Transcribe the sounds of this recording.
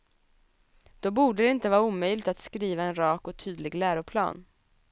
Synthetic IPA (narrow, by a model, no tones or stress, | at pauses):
d̪̥ɔbuːɖəd̪ɛɪnt̪əvɑːɾauːmœjlɪɡt̪at̪skɾiːvaɛnɾɑːkɔt̪ʰyːd̪lɪɡlæːɾʊpʰlɑ̰ːn